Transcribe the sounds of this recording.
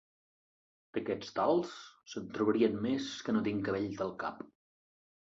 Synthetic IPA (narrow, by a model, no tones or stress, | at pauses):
d̪̥əkɛt͡st̪alˠssənt̪ɾuβəɾiənmeskənot̪iŋkəβeʎd̪əlˠka̰p